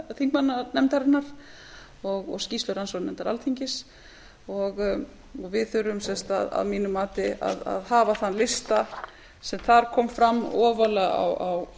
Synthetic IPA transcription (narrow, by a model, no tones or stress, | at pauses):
θiŋkmanːanɛmt̪ɛɾnaɾ̥ | ɔɣɔ̰ɣsciːst̪œɾansɔnɛnt̪aɾa̰lt̪ʰiɲcɪs | ɔɣ | ɔɣvɪðθʏɾːʏmsɛnst̪a̰ða̰ðmiːnʏmːaːt̪ɪa̰ða̰ðhaːvaθanːlɪst̪a | sɛmθaɾ̥kʰɔːmfɾamːɔːvalɛɣa̰waw